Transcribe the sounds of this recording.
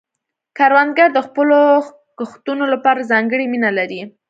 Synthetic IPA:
kaɾwand̪ɡaɾd̪əxpəlo | ɡəxt̪unolapɑɾazɑŋɡəɽiminalaɾi

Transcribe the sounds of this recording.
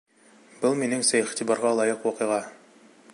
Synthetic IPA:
b̥ɤlˠminɘŋsæiχt̪ibɑɾʁɑlˠɑjɤqwɑqɤ̆jʁɑ

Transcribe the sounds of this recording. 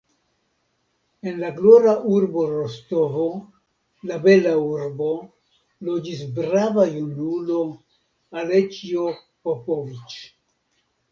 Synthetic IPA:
e̞nlaɡloɾaʔuɾbo̞ɾosto̞vo | labe̞lauɾbo̞ | lo̞d͡ʒis̬bɾavajunulo̞ | alet͡ʃio | popovit͡ʃ

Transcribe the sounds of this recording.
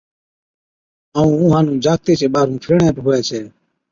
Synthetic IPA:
aːũːũːɦãːnũːd͡ʒaːt̪eːt͡ʃʰeːɓaːɾũːpʰɪːɳẽːpɦoːɛːt͡ʃʰɛː

